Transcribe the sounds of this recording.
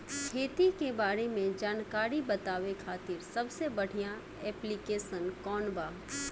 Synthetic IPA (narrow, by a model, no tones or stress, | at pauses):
kʰeːt̪ikebaːɾemẽd͡ʒaːnkaːɾibɐt̪aːʋekʰaːt̪ɪɾsɐbsebɐɽ̤ijã | ɛːplikeːʃənkɔːnbaː